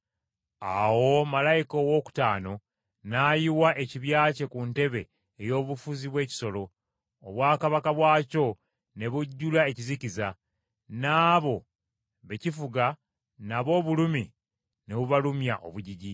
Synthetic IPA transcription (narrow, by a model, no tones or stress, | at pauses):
awo̞malajikowo̞ːku̥taːno̞ | naːjiwaʔe̞ciβjaːce̞kunte̞βe̞ː | jo̞ːβufuziβwe̞ːci̥so̞lo̞ː | βwaːkaβakaβwaːco̞ | ne̞βuɟːulae̞ciziciza | naːβo̞ | βe̞cifuɡa | naβo̞ːβulumi | ne̞βuβalumjaʔo̞̰βuɟiɟi